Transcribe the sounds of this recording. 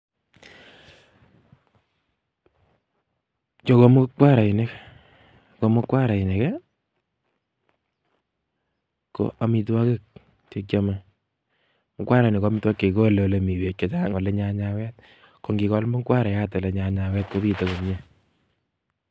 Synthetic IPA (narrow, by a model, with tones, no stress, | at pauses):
t͡ʃo˨ko˦mo˦kwa˦ɾa˨i˨ne˦k | ko˨mo˦kːwa˦ɾa˨i˨ne˨kɛ˦ | ko̰˨ʔa˨mi˧twa˦ke˦k̚ | te˦ka˦ma˦ | mo˦kwa˦ɾa˨i˨ne˨ka˦mi˦twa˦kːe˨ko˦le˨le˨mi˨we˨t̚ke˨ta˦ŋo˨le˦ɲa˧ɲa˧wɛ˦t̚ | ko˨ŋɡi˨kɔ˦lmo˦kwa˦ɾa˨ja˦tɔ˨le˨ɲa˨ɲa˨wɛ˦t̚ko˦bi˦te˨ko˨ŋɲe˦